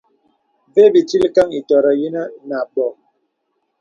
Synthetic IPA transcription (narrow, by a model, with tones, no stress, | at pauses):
ve˦bi˨ti˦li˦ka˦ŋi˨tɔ˨ɾa˨ji˦na˦na˨ɓɔ˨